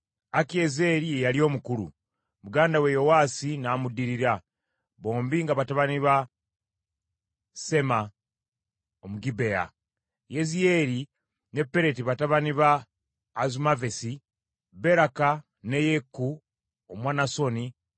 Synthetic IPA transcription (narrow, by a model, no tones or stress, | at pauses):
akieze̞ɾijejalio̞ːmukuɾṵ | muɡaːndawejo̞waːsinaːmudiɾiɾa | βo̞ːmbiŋɡaβataβaniβa | se̞ma | omuɡibe̞ja̰ | jezijeɾi | ne̞pːe̞ɾe̞tiβataβaniβaː | zumavesi | be̞ɾaka | ne̞jekːu | omwaːnaso̞ni